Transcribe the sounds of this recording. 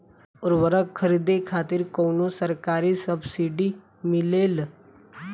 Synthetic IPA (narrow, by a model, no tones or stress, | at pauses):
ʊɾwəɾəkkʰːəɾid̪ekʰaːt̪iɾkonosəɾkaːɾisəbsiɖi | mɪleːl